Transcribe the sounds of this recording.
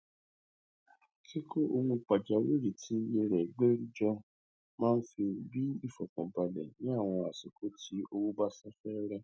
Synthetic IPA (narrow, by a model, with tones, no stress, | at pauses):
ke˦ko˦o˧wũ˧k͡pa˨d͡ʒa˨˦we˦˨ɾi˨tʰi˨˦je˧ɾɛ˨ɡ͡be˦ɾi˦d͡ʒɔ˦ | mãː˦n̩˦fi˧bi˦i˦˨fɔ˨kɔ̃˨ba˨lɛ̰˨nĩ˨˦a˦˨w̃ɔ̃˧a˨si˨kʰo˨˦ti˨˦ʔo˧wu˦ba˦sa˦fɛ˦ɾɛ˧